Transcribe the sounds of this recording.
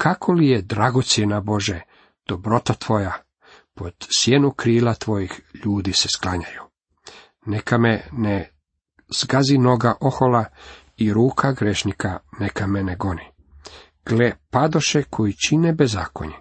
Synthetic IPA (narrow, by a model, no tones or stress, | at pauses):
kʰakʰo̞lijed̪ɾaɡo̞t̪sjenabo̞ʒe | d̪̥obɾo̞t̪at̪ʋo̞ja | po̞d̪̥sjenukɾiːlat̪ʋo̞jixʎuːd̪isesklˠaɲaju | nekʰamene | z̥ɡazino̞ɡaʔo̞xola | iɾuːkʰaɡɾeʃnikʰanekʰameneɡo̞ni | ɡ̥lepad̪o̞ʃekʰo̞jit͡ɕinebeza̰ːko̞̰ɲe